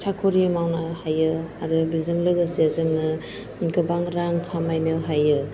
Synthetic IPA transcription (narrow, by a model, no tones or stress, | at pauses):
sakʰoɾimawnahajɯaɾɯbizɯŋlɯɡɯsiazɯŋnɯ | kɯbaŋɾaŋkʰamajnɯɦajɯ